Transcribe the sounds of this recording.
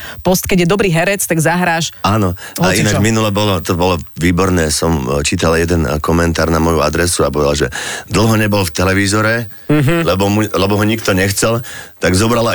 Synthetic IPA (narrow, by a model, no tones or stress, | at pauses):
pɔst̪̚kɛɟjɛd̪ɔbɾiːɦɛɾɛt͡st̪aɡzaɦɾaːʃaːnɔainad͡ʒminulɛbɔlɔt̪ɔbɔlɔʋiːbɔɾnɛːsɔmt͡ʃiːt̪aljɛd̪ɛnkɔmɛnt̪aːɾnamɔjuad̪ɾɛsuapɔʋɛd̪alʒɛd̪l̩ˠɦɔɲɛbɔlft̪ɛlɛʋiːzɔɾɛ | ɦlɛbɔmulɛbɔɦɔɲikt̪ɔɲɛxt͡sɛlt̪aɡzɔbɾala